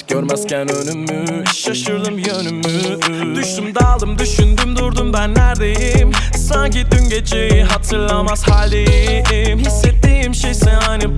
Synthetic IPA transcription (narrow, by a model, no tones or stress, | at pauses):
ɟ̥øɾmæzcænønymːy | iʃjaʃɯɾd̪ɯmjønymːy | d̪yʃt̪ymd̪alˠd̪ɯmd̪yʃynd̪ymd̪uɾd̪umbænːæɾd̪ejimsaŋcid̪ynɟet͡ʃʰejiɦat̪ʰɯɾlˠamaz̥haːlʲe | mɦisːɛt̪ːejimʃejsɛnajnɯ